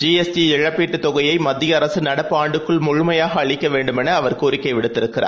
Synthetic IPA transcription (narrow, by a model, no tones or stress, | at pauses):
d͡ʒiːɛsdiɪɻɐpːiːʈːɯt̪ːɔɣɐjɐɪmɐd̪ːɪjɐːɾɐsɯnɐɽɐpːɯaːɳɖɯkːɯɭmʊɻʊmɐjaːɣɐːɭɪkːɐʋeːɳɖɯmɛnɐːʋɐɾkoːɾɪkːɐɪʋɪɽɯt̪ːɪɾɯkːɪra̰ː